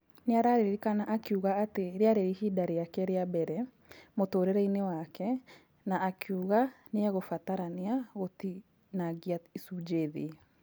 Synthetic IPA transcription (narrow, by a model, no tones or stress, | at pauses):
neaɾaɾeeɾikanaʔakeuɣaːteɾeaɾeɾihidaɾeakɛɾeabɛɾɛ | motoːɾeɾɛinewakɛ | naʔːkʰuɣaneaɣofataɾaneaɣoti | naɡiaisud͡ʒeðe